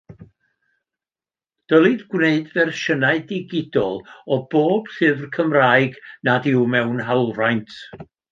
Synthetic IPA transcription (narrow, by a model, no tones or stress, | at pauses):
d̥əlˠidɡwneɨdvɛrʃənaɨdɪɡɪdɔlˠɔb̥oːb̥ɬɨvrkʰəmraːɨɡnadɪwmɛwnɦawlˠrajntʰ